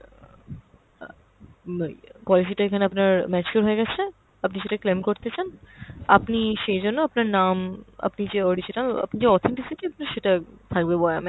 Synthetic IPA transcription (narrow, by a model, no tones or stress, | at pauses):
pɔlis̬iʈaekʰaneapnaɾmɛt͡ɕkoɾɦoeɡɛt͡ɕʰe | apniʃeʈaklemkoɾt̪et͡ɕʰanapniʃejd͡ʑonːoapnaɾnama̰pnid͡ʑeɔɾid͡ʑinala̰pnid͡ʑeɔt̪ʰeɳʈisiʈiapnaɾʃeʈat̪ʰak̚bebɔeami